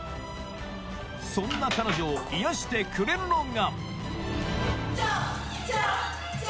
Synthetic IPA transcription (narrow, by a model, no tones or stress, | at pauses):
sõ̞nːakano̞ʑoːijaɕi̥t̪e̞kʰɯ̟ɾe̞ɾɯ̟no̞ŋɡa